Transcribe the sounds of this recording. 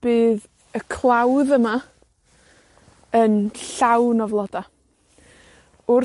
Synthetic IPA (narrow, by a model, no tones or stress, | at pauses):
b̥ɨːð | əkʰlˠawðəma | ənɬawnɔvlˠɔda | ʊr